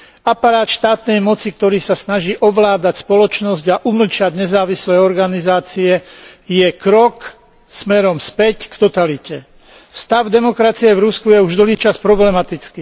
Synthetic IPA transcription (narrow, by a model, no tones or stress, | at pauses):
apaɾaːt̪ʃt̪aːt̪nɛjmɔt͡sik̚t̪ɔɾiːsasnaʒiːʔɔʋlaːd̪acspɔlɔt͡ʃnɔzɟaʔuml̩t͡ʃaɟɲɛzaːʋislɛːɔɾɡanizaːt͡siɛjɛkɾɔk | smɛɾɔmspɛckt̪ɔt̪alicɛ | st̪aʊd̪ɛmɔkɾat͡siɛvɾuskujɛuʒd̪ɔɦiːt͡ʃaspɾɔblɛmat̪it͡skiː